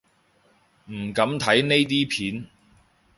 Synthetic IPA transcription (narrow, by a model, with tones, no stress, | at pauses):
m̩˨˩kɐ˨˥mt̪ʰɐ˨˥jne˥jt̪̬iː˥pʰiː˨˥n